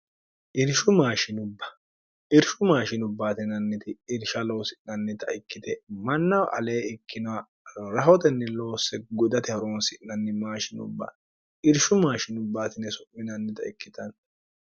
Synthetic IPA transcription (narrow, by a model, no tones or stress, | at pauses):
ʔɪɾʃʊmaːʃɪnʊbːɐ̥ | ʔɪɾʃʊmaːʃɪnʊbːaːt̪ɪnɐnːɪt̪ɪːɾʃɐlo̞ːsɪnɐnːɛt̪ɐɪkːɪt̪ɛmɐnːɐwʔɐ̰leːɪkːɪnɐwɐ | ɾɐɦɔt̪ɛnːɛlo̞ːsɛɡɔd̪ɐt̪ɪhɐɾoːnsɪnnɐnːɛmaːʃɪnʊ̰bːa̰ | ʔɪɾʃʊmaːʃɪnʊbːaːt̪ɪnːɛsɔmːɪnɐnːɛt̪ɐɪkːɪt̪ɐn